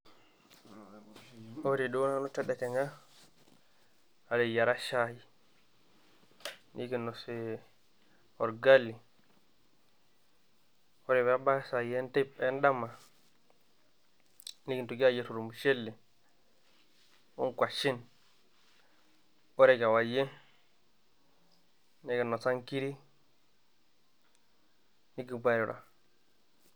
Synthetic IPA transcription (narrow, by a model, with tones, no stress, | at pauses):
oɾiɗɔ˦nanɔ˦tɛɗɛkɛŋa | alɛjaɾaʃaji | nʔiɡinːɔsɛ | ɔɾɡalːi | ɔɾɛwabasaɛntɛ˦pɛnɗama | ni˦ki˨ntu˨ɡi˦a˦˨je˦˨ɾu˨ɾu˨mu˨ʃe˦lːi˨ | ṵ˦ŋkʷa˨ʃi˦n | o˦ɾe˦˨ka˨wa˨je˦ | ne˦ɡe˨no˨sa˦ŋki˦ɾi˦ | ni˦ɡi˨bʷa˨ɾi˨ɾa̰˨